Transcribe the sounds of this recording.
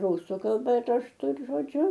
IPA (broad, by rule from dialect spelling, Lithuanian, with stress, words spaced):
ˈrʊsʊ kɐlˠˈbɐ rɐʃˈtʊ ɪr ʒoːˈd͡ʒʲʊ